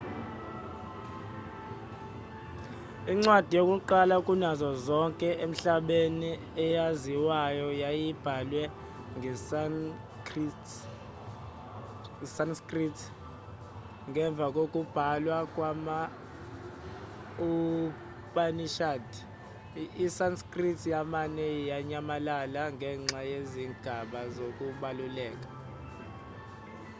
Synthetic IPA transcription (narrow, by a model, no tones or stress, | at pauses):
iŋ͡ǀwad̥ʱijokʼuǃalakʼunazɔzɔŋkʼɛʔem̩ɬaɓeni | ɛjaziwajɔjajib̥ʱalwɛ | ŋ | sanskʼritʰ | ŋɡʱɛɱb̪vʱak̬ʼok̬ʼub̥ʱalwakʼwama | u | pʼaniʃad | isanskʼritʰjamanɛjaɲamalalaŋʱɛŋ͡ǁajeziŋɡ̥ʱaɓazok̬ʼuɓalulɛːk̬ʼḁ